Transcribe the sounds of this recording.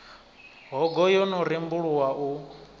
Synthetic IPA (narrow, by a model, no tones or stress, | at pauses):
ɦɔɡɔjɔnɔɾimbuɺuwau